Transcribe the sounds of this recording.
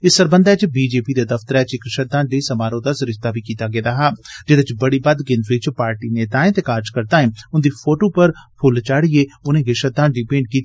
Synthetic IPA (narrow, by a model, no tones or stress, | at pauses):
ɪsːəɾbənd̪aːt͡ʃbiːd͡ʒeːpiːd̪aːd̪əft̪əɾɛːt͡ʃkɾɪʃəd̪ãːnɖeːsəmaːɾõːd̪asɾɪʃt̪aːbiːkiːt̪aːɡeːd̪aːɦaːd͡ʒɪd̪ɪt͡ʃbəɽiːbəd̪ɡɪnt̪ɾiːt͡ʃpaːɾʈiːneːt̪aːẽːt̪ekaːɾd͡ʒkəɾt̪aːɦɛ̃ːʊnd̪iːpʰoːʈoːpəɾpʰʊlt͡ʃaːɽieːʊnẽːɡɪʃəd̪ãːɖɪpẽːɳɖkiːt̪ː